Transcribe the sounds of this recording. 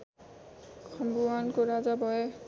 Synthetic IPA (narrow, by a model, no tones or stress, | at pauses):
kʰɔmbuwankoɾad͡zabɔje